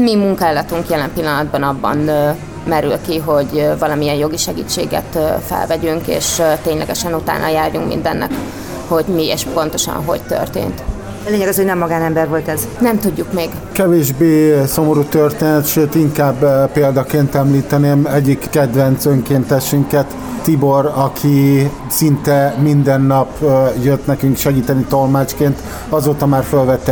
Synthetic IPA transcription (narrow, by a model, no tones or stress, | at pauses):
mimuŋkɛlɒt̪uŋkjɛlɛmpilːɒnɒd̪bɒnɒbːɒ̰n | mɛɾy̰lkiɦo̞ɟvɒlɒmiɛnjo̞ɡiʃɛɡḭːt͡ʃːeːɡɛ̰t̪ːfɛ̰lvɛɟyŋkḛːʃt̪eːɲlʔɛɡɛʃɛnut̪a̰ːnʔɒ̰jaːrjuŋkmḭnd̪ɛnːɛ̰k | ho̞ɟmiḛːʃpo̞n̪t̪o̞ʃɒ̰nɦo̞̰ɟt̪ø̰rt̪ḛːnt̪ | ɛleːɲɛɡɒshonɛmːɒɡaːnɛmbɛrʋo̞lt̪ɛz | nɛmt̪uɟːukmeːɡ | kɛveːʒbeːso̞mo̞ɾuːt̪ørt̪eːnɛt̪ʃøːt̪iŋkaːbpeːld̪ɒkeːnt̪ɛmliːt̪ɛneːmɛɟːikːɛd̪vɛnt̪søŋkeːnt̪ɛʃyŋkɛt̪ː | iboɾɒkʰi | sint̪ɛmind̪ɛnːɒpjøt̪nɛkyŋkʃɛɡiːt̪ɛnit̪o̞lmaːt͡ʃkeːnt̪ | ɒzoːt̪ɒmaːrfølvɛt̪ːɛ